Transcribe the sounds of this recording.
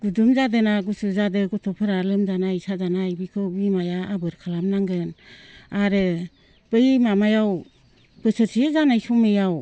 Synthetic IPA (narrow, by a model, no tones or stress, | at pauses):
ɡ̥udumzadɯnaɡusɯzadɯɡɔtʰɔpʰɯɾalɯmzanajsazanajbikʰɯbimajaabɯɾkʰalamnaŋɡɯnaɾɯ | b̥ɯjmamajaw | b̥ɯsɯsʰijezanajsʰɔmejaw